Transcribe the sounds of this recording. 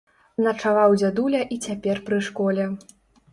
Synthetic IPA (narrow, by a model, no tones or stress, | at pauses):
nɐt͡ʂavawd͡zʲad̪ulʲɐʔit͡sʲapʲɛrpɾɨʂkɔlʲɛ